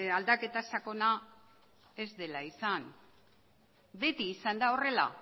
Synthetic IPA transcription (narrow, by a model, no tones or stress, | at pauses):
ald̪ake̞t̪asako̞na | e̞zd̪e̞laisan | be̞t̪iːsand̪ao̞re̞la̰